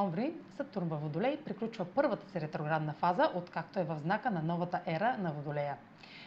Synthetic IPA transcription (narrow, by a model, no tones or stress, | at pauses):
ɔmbɾisəp̚t̪uɾnvɐvod̪ʊlɛjpɾiklʲut͡ʃvəpɤɾvət̪ə̥sɛɾɛt̪ɾoɡɾad̪nɐfazəʔot̪kak̚t̪oɛvɐvznakənɐnɔvɐt̪əʔɛɾənɐvod̪ʊlɛjə